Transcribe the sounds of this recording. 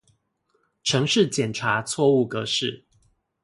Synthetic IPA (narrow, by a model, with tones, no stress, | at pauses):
ʈ͡ʂʰɤ˧˥ŋʂɻ̩˥˨t͡ɕjɛ˨˩nʈ͡ʂʰa˨˥t͡sʰwɔ˥˧u˥˨kɤ˧˦ʂɻ̩˥˨